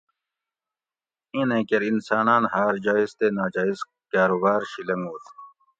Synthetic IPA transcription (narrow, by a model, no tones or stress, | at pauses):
inẽkeɾinsaːnaːnhaːɾd͡ʑaːizt̪eːnaːd͡ʑaːiz | kaːɾubaːɾɕilɐŋɡuːt̪ʰ